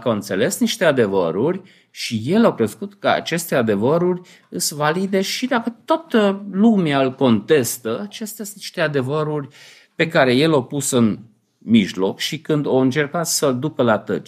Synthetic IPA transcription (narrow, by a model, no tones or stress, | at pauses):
kawɨnt̪se̞le̞sniʃt̪e̞ad̪e̞vəɾurʲ | ʃije̞lawkɾe̞skut̪kəa̰t͡ʃe̞st̪e̞ad̪e̞vəɾurʲ | ɨsvalid̪e̞ʃid̪akət̪ot̪əlumaɨlko̞nt̪e̞st̪əat͡ʃest̪asniʃt̪ead̪e̞vəɾurʲ | pe̞kaɾe̞je̞lapusɨn | miʒlo̞kʃikɨnd̪oɨnt͡ʃe̞rkat̪səld̪ukəlat̪ə̰